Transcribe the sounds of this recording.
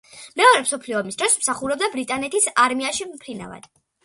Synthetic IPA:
mɛɔɾɛmsɔpʰliɔmisd̪ɾɔsmsaχuɾɔb̚d̪abɾit̪ʼanɛt̪ʰisaɾmiaʃimpʰɾina̰va̰d̪̥

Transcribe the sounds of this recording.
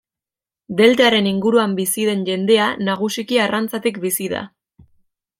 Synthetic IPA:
d̪e̞lt̪eaɾe̞niŋɡuɾuambisið̞e̞nʝe̞nd̪e̞anaɣ̞usikiarant͡sat̪ikbisiða̰

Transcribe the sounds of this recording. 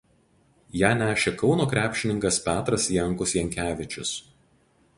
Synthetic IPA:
jæːnʲæːʃʲeːkɒʊnoːkɾʲæːpʲʃʲɪnʲɪŋkɐspʲæːt̪ɾɐsjɛŋˑkʊsjɛŋʲkʲæːʋʲɪt͡ʃʲʊs

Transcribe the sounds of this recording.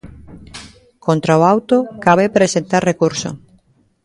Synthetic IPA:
kont̪ɾaoawt̪okaβepɾesent̪arrekuɾsoʊ̰

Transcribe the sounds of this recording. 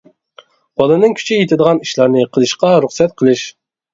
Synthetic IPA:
b̥ɑlˠɨnɨŋkʲʰy̥t͡ʃʰijet̪ʰɪd̪əʁɑniʃlˠɑɾnɨqʰəlˠɨʃqɑɾuχsɛt̪̚qʰəlˠɨʃ

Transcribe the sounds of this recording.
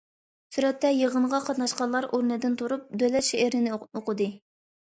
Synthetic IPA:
syɾɛt̪ːɛjeʁənʁɑqʰɑt̪nɑʃqɑnlˠɑɾoɾnɨd̪ɪnt̪ʰuɾup̚d̪ølɛt̪ʃeɪɾnɪnɪoqəd̪ɨ

